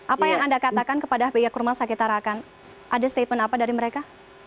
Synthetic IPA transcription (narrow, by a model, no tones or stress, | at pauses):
ʔapajaŋandakat̪akankəpadabejakurmasakit̪aɾakan | ʔadast̪epənapadaɾiməɾeka